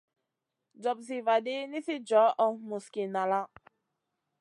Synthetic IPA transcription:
d͡ʒɔ˨bzi˨va˨de˦ni˦si˦d͡ʒɔ˨˦ʔɔ˨mu˨ski˨na˨la˦

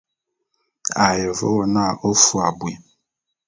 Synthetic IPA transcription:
a˨jə˨vɔ̰˦wɔ˨na˦˨ʔo˦fu˦a˨bwi˨

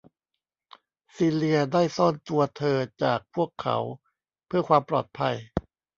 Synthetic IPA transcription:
siː˧li˧ɐdaː˥˩jsɔː˥˩nt̪u˧ɐt̪ʰɤː˧t͡ɕaː˨˩k̚pʰu˥˩əkʰːa̰˩˦w | pʰɯ˥˩ɐkʰwaː˧mpɾɔ̰ː˨˩t̪̚pʰa˧j

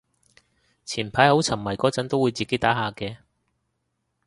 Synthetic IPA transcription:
t͡sʰiː˨˩npʰaː˨˥jho˨˥wt͡sʰɐ˨˩mːɐ˨˩jkɔː˨˥t͡sɐ˨˥nt̪o˥wːu˨˧jt͡siː˨ke˨˥jt̪aː˨˥ɦaː˨˧kɛː˧

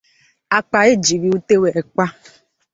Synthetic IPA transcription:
a˨k͡pa˨e˦d͡ʒi˨bi˨˦u˦te˦we˨kʷa˦

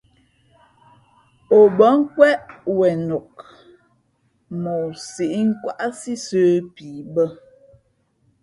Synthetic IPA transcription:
o˨bə˨˦ŋ̩˦kwɛ˦ʔwɛ˨no˨k | mo˨si˨ʔi˦ŋ̩˦kwa˦ʔa˦si˦səː˦piː˨bə˦

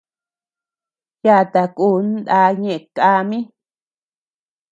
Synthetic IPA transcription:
ja˦˧˨t̪a˨ku˧˦nd̪a˧ɲẽ˦˧ʔe˧˨ka˧mĩ˦

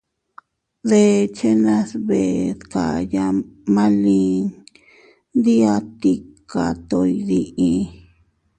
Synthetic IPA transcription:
ðe˧t͡ʃe˦nã˦sβe˨ska̰˨ja˧mã˦lĩ˦ | nd̪i˦a˦t̪i˦ka˨t̪o˧˨i˧ði˧ʔĩ˧

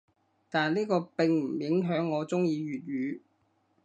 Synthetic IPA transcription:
t̪aː˨nliː˥kɔː˧pɪ˨ŋm̩˨˩jɪ˨˥ŋɦœː˨˥ŋːɔː˨˧t͡sʊ˥ŋjiː˧ɥyː˨t̚ɥyː˨˧

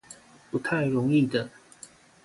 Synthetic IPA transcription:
pu˨˥t̪ʰa˥˩ɪɻʊ˧˥ŋi˥˩d̪ə˩

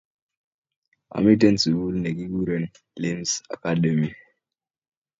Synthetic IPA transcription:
a̰˨mi˦te˦nsu˨wu˦lne˨ki˦ɡu˦ɾə˦n˨ | le˦msa̰˨ka˦ɗe˨mi˨

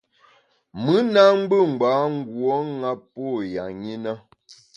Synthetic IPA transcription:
mɨ˨˦na˦ŋ͡m̩˦ɡ͡bə˦˨ŋ͡m̩˨ɡ͡baː˨˦ŋ̩˦ɡwɔ˦ŋa˦pːo˦˨ja˨ɲi˦nə˦

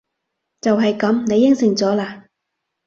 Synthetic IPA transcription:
t͡sɐ˨wɦɐ˨jkɐ˨˥mne˨˧jːɪ˥ŋsɪ˨˩ŋt͡sɔː˨˥laː˧

